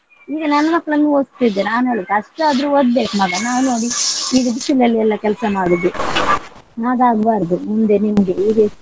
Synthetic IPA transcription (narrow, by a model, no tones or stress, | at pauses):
iːɡɐnɐnːɐmɐkːɭɐnuoːst̪id̪ːenaːnɦeːɭiɐʂʈaːd̪ɾuːod̪beːkmɐɡɐnaːwnoːɽiiɡɐbisilɐlːiɛlːɐkɛlsɐmaːɽud̪ːu | naːɡ̪aːɡbaːɾd̪umund̪enimɐɡeiːɡe